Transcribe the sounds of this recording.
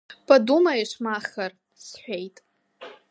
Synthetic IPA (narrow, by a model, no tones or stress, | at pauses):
pʰʼadumaiʂmaχar | sħʷᶣejtʼ